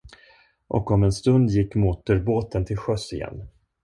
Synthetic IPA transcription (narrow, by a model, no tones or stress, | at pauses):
ʔɔ̰kɔmɛnst̪ɵnd̪jɪkːmɔt̪əɾboːt̪ənt̪ʰɪlɧœsɪjɛ̰nː